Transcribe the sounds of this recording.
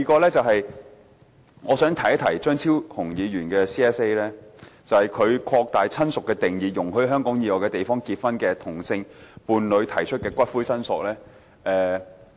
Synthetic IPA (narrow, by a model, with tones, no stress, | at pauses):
i˧kɔː˧lɛː˥t͡sɐ˨whɐ˨j | ŋɔː˨˧sœː˨˥ŋt̪ʰɐ˨˩jɐ˥t̪ʰɐ˨˩jt͡ʃœː˥ŋt͡sʰiː˥whʊ˨˩ŋjiː˨˧ɥyː˨˩nkɛː˧siː˥ɛː˦˥se˥jlɛː˥t͡sɐ˨whɐ˨˩jkʰɵ˨˧ɥkʰɔː˧k̚t̪aː˨jt͡sʰɐ˥nsʊ˨kːɛː˧t̪ɪ˨ŋjiː˨˩jʊ˨˩ŋɦɵ˧˥ɥɦœː˥ŋkɔː˨˥ŋjiː˨˧wɔː˨˩kɛː˧t̪e˨jfɔː˥ŋkiː˧t̚fɐ˥nkɛː˧t̪ʰʊ˨˩ŋsɪ˧ŋpuː˨˧nlɵ˨˧ɥt̪ʰɐ˨˩jt͡ʃʰɵ˥t̚kɛː˧kʷɐ˥t̚fuː˥jsɐ˥nsʊ˨k̚lɛː˥ | ʔɛː˨˧